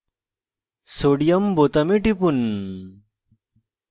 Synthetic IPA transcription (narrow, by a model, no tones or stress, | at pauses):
soɽijɐmbot̪ɐmiʈipun